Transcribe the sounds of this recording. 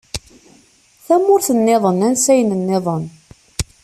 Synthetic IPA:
θæmʊɾθənːeðˤənænsæjənənːeðˤən

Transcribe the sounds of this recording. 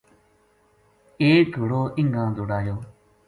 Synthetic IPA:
eːkəɽoːʔɪŋɡãːd̪oːɽaːjoː

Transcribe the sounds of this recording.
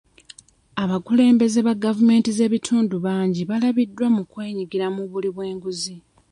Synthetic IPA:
aβakule̞ːmbe̞ze̞βaɡavume̞ːntize̞ːβitʰuːnduβaːɲɟiβalaβidːwamukwe̞ːɲiɡiɾamuβuliβwe̞ːŋɡuzi

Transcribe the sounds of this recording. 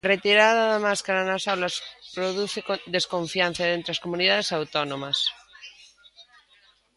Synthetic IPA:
ret̪iɾaðaðamaskaɾanasawlaspɾoðuθekod̪eskõɱfjan̟θaðent̪ɾeaskomuniðað̞esawt̪onõmas

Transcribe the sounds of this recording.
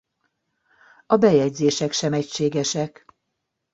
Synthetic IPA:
ɒbɛjɛɟzeːʃɛkʃɛmɛcʃeːɡɛʃɛk

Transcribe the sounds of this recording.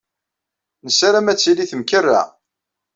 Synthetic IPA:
nəsaɾæmæt͡sːiliθəmkərːæ̰

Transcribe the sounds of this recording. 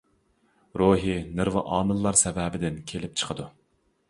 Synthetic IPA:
ɾoːɦinɨɾvɨʔɑːnɨlˠːɑɾsɛvɛːbɪd̪ɪnkʲʰelɪp̚t͡ʃʰə̥qʰəd̪u

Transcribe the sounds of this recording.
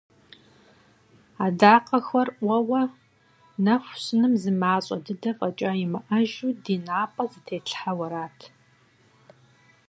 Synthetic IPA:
aːdaːqʼɐxʷɐrʔʷɐwɐ | nɐxʷɕɨnɨmzɨmaːɕʼɐ̰dɨdɐfʼɐt͡ʃʼaːjɪmɨʔɐʒuːdiːnaːpʼɐzɨtʰeːɬʰħawɐɾaːtʰ

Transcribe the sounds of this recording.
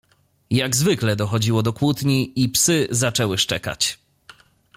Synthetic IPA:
jaɡzvɘklɛd̪ɔxɔd͡ʑiwɔd̪ɔkwut̪ɲiipsɘzat͡ʂɛwɘʂt͡ʂɛ̰ka̰t͡ɕ

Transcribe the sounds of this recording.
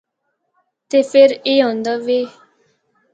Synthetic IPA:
t̪eːpʰɪɾeːɦõːnd̪aːʋeː

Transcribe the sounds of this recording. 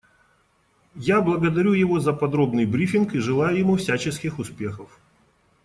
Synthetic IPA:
jablˠəɡəd̪ɐɾʲujɪvozəpɐd̪ɾo̞bnɨjbɾʲifʲɪnkɨʐɨlˠajʊjɪmufsʲat͡ɕɪskʲɪxʊspʲexəf

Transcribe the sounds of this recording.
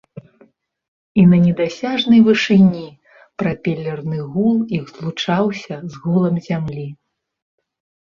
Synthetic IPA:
inɐnʲɛd̪asʲaʐnɐjvɨʂɨnʲi | pɾɐpʲɛlʲːɐrnɨɣulˠjiɣzlˠut͡ʂawsʲɐzɣulˠɐmzʲamlʲi

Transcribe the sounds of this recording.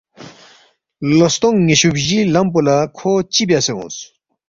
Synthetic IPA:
lost̪õŋŋeɕubʑilɐmp̬ulakʰoːt͡ɕibjaseṵ̃ːs

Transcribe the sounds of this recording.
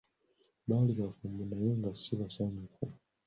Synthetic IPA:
ɓalikafumbunajuŋɡasiβasamufum

